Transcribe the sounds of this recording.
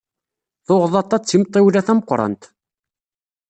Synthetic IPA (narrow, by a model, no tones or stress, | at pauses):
θoʁðˤɑt̪ːɑt͡sːimt̪ˤːiwlæθæməqːɾˤɑ̰nt̪